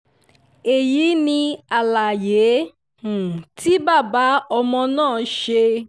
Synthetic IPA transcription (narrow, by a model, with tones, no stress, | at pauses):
e˨ji˨˦nĩ˧a˨la˨je˨˦ | h̩˨ti˦ba˦˨ba˨˦ʔɔ˧mɔ̃˧nãː˦˨ʃe˧